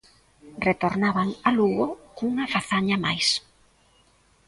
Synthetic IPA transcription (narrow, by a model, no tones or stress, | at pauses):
ret̪oɾnaβaŋaluɣokuŋafaθaɲamajs